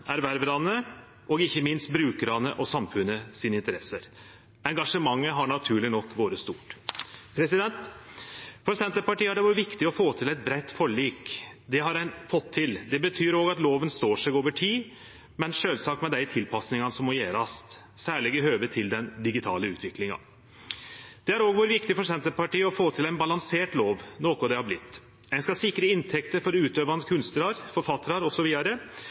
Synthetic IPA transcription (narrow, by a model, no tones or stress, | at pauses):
æɾʋæɾʋəɾɑnə | ʔɔɡɪçːəmɪnst̪̚bɾʉːkəɾɑnəʔɔsɑmfʉnəsiːnɪnt̪əɾɛsəɾ | ɛŋɡɑʂəmɑŋːəɦɑɳɑt̪ʰʉːɭɪnɔkːʋoːɾəst̪ṵːʈpʰɾɛsɪd̪ɛnt̪ | fɔɾsɛnt̪əɾpɑʈiːhɑɖɛʋuːɾəʋɪkt̪ɪɔfoːt̪ʰɪlɛɪt̪̚bɾɛɪt̪ːfɔɭiːkd̪ɛɦɑɾænfɔt̪ʰːɪld̪ɛbət̪ʰyːɾoːɡɑt̪loːʋənst̪oːʂɛɡoːʋəʈʰiː | mɛnʂøːlsɑːk̪̚mɛd̪æɪt̪ʰɪlpʰɑsnɪŋɑnəsɔmːɔjeːɾɑst̪ | sæːɭɪɡəɦøːʋəʈʰɪld̪ɛnd̪ɪɡɪt̪ʰɑ̰ːləʉ̰ːt̪ʰʋɪklɪŋɑ̰ | d̪̥ɛæɾoːɡʋuːɾəʋɪkt̪ɪfɔʂsɛnt̪əɾpɑʈiːɔfoːt̪ʰɪlæɪnbɑlɑŋseːʈloːʋnoːkʊd̪ɛhɑblɪt̪ː | æɪnskɑsɪkːɾəɪnt̪ʰɛkt̪əɾfɔɾʉːt̪øːʋɑnkʰʉnst̪əlɑɾfɔɾfɑt̪ːɾɑɾɔsɔʋiːd̪ɑɾə